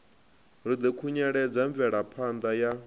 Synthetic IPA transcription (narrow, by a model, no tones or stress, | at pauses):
ɾid̪ɛkʰuɲɛɺɛd͡zaɱvɛɺapʰand̪aja